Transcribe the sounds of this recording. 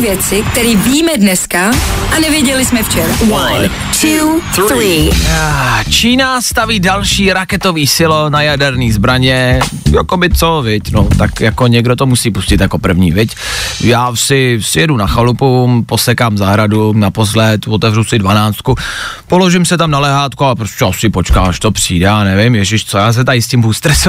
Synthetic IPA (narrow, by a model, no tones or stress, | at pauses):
vjɛt͡sɪk̚t̪ɛɾiːviːmɛdnɛskaʔanɛvjɛɟɛlɪsmɛft͡ʃɛɾawa | tu | i | t͡ʃiːnast̪aviːdalʃiːɾakɛt̪o̞viːsɪlonajadɛɾniːzbɾaɲɛ | jakobɪt͡sovɪcnot̪akjakoɲɛɡdot̪omusiːpuscɪt̪jako̞pr̩vɲḭːvɪcjaːsɪsɪjɛdunaxalupuposɛkaːmzaɦɾadunaposlɛt̪vot̪ɛvrusɪdvanaːt͡st̪̚kupolo̞ʒɪmsɛt̪amnalɛɦaːt̪kuapɾoscʲɛasɪpot͡ʃkaːaʃt̪opr̥ḭːdɛaːnɛvɪmjɛʒɪʃt͡sojaːs̬ɛt̪ajɪscɪmɦuːst̪ɾɛsu